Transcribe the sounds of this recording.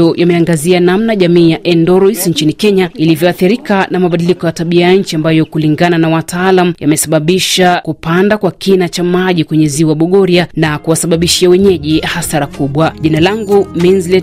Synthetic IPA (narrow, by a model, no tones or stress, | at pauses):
ɔjʔamɛaŋɡazianamnaʄamiːjaʔɛndɔɾɔisɲt͡ʃinikɛɲailivjɔaθiɾikanamaɓaɗilikɔjataɓiajaɲ̩t͡ʃiambajɔkuliŋɡananawatʰaalamujamɛsaɓaɓiʃakupandakwakinat͡ʃamaʄikwɛɲɛziwaɓɔɠɔɾianakuwasaɓaɓiʃiawɛɲɛʄihasaɾakuɓwaʄinalaŋɡuminzlɛ